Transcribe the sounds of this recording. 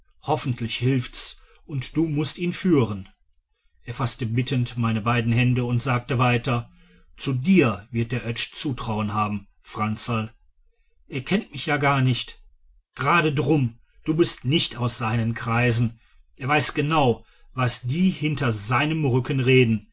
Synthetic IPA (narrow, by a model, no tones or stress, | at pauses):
hɔfn̩tʰlɪçhɪlfts | ʔʊntd̥uːmʊstiːnfyːʁən | ʔeːɐfastəbɪtʰəntmaɪnəbaɪdn̩hɛndəʊntz̥aːk̚təvaɪtɐ | t͡sudiːɐvɪɐt̚d̥eːɐʔœt͡ʃt͡suːtʁ̥aʊənɦaːbm̩ | fʁ̥ant͡sal | ʔeːɐkʰɛntmɪçjaːɡaɐnɪçt | ɡ̥əʁaːɾədʁʊm | d̥uːbɪstnɪçtaʊsz̥aɪnənkʁ̥aɪzn̩ | ʔeːɐvaɪsɡ̥ənaʊ | vasd̥iːhɪntɐzaɪnəmʁʏkən̩ʁeːdn̩